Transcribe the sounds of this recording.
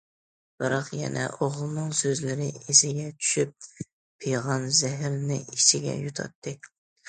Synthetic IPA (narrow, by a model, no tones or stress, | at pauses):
b̥ɨɾɑqjɛ̰nɛ̰ʔoʁlˠnɨŋsøzlɪɾɪesɪɡʲɛt͡ʃʰy̥ʃyp̚ːʰ | ejʁɑnzɛɦɾnɪ̰it͡ʃʰɪɡʲɛ̰jut̪ʰɑ̰t̪ʰːɨ